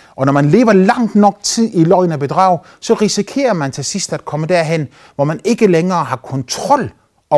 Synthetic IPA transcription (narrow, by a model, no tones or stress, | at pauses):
ʔɒ̽nɒmænle̝̰ːʋɐlɑ̈ŋ̰d̥nɒ̽ɡ̥̚t͡sʰið̰ˠilɒɪnæb̥e̝d̥ʁɑ̰̈ʊ̰ | sɒ̽ʁisikʰe̝̰ːɐmænt͡sʰe̝lsisd̥æd̥̚kʰɒ̽məd̥æɐɦen̰ | ʋɒmæne̝ɡ̥əleŋɐːɦɑ̈kʰɒ̽nt͡sʰʁɒ̽l̰ | ɒ